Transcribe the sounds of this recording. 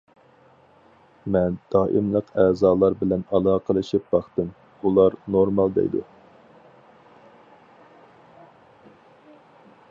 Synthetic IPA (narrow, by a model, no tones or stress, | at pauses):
mɛnd̪̥ɑːʔɨmlˠəqʰɛːzɑːlˠɑɾbɪlɛnɑlˠɑːqʰəlˠɨʃip̚bɑχt̪ɨm | ulˠɑɾnoɾmɑlˠd̪ɛ̰jd̪ṵ